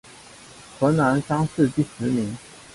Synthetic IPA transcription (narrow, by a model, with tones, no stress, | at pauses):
xɤ˧˥na˧˥nʂɑ˥ŋʂ̩˥˧t̪i˥˩ʂɻ̩˧˥mi˧˥ŋ